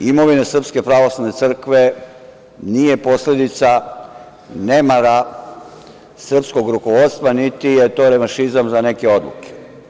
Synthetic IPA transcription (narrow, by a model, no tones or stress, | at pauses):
imo̞ʋine̞sr̩pske̞pɾaʋo̞slˠaʋne̞t̪sr̩kʋe̞ | nije̞po̞sle̞d̪it̪sa | ne̞maɾa | sr̩psko̞ɡɾukoʋo̞dt̪st̪ʋanit̪ijet̪o̞ɾemaʃizamzane̞ke̞o̞d̪lṵke̥